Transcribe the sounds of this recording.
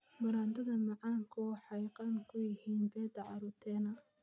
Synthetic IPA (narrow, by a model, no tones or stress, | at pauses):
mɐɾaːnt̪ʰɐðɐmɑʕɑːŋkʰʊwɑħɑjqɑnkʰʊjɪhiːnbɛːd̪ɐʕɑɾut̪ʰɛːnɐ